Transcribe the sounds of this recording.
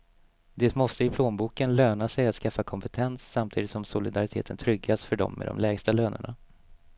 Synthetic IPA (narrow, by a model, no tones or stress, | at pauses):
d̪ɛːt̪mɔst̪əɪpʰloːnbuːkənløːnasɛjat̪skafːakʰɔmpɛt̪ʰɛnsːamt̪ʰiːd̪ɪt̪sɔmsʊlɪd̪aɾɪt̪ʰḛːt̪ʰənt̪ʰɾʏɡːasfœɖɔ̰mːɛ̰d̪ɔ̰mlɛːɡst̪aløːnə̰ɳa̰